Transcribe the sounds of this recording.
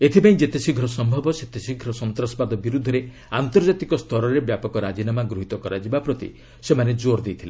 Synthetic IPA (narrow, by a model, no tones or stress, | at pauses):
et̪ʰipaĩd͡ʒet̪esʰiɡʱɾɔsɔmbʱɔbɔset̪esʰiɡʱɾɔsɔnt̪ɾɔspad̪ɔbiɾud̪ʱːɔɾe | ant̪ɔɾd͡ʒat̪ikɔst̪ʰɔɾɔɾebjapɔkɔɾad͡ʒinamaɡɾuɦit̪ɔkɔɾad͡ʒibapɾɔt̪ḭ | semaned͡ʒoɾd̪ejt̪ʰile